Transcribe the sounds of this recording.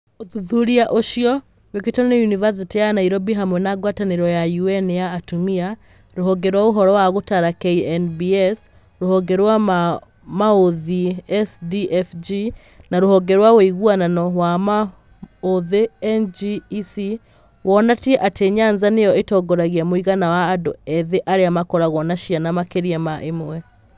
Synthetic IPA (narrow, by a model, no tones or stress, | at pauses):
oðuðuɾiaʔoʃiɔ | weketɔnejunivas̬itijanaiɾɔbiɦamwɛnaɡwataneɾɔjajuɛnjaːtumia | ɾoɦɔŋɡɛɾwaoɦɔɾɔwaɣotaɾakeiɛnbiɛs | ɾohɔɡɛɾwa | maoðiɛsdiʔɛfd͡ʒi | naɾohɔɡɛɾwaweiɣwananɔwama | oðeɛnd͡ʒisi | wɔnatiɛʔateɲanzanejɔetɔɡɔɾaɣiamoiɣanawaːdoɛðeʔaɾeamakɔɾaɣwɔnaʃianamakeɾiɛmaʔemwɛ